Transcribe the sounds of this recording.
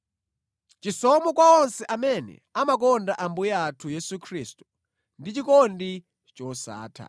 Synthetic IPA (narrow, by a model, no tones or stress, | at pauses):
t͡ʃisɔmɔkwaɔnsɛʔamɛnɛ̰amak̬ɔndaʔambujaatʰujɛsukʰriːstu̥ | ndit͡ʃikɔndi | t͡ʃɔsa̰ːtʰa̰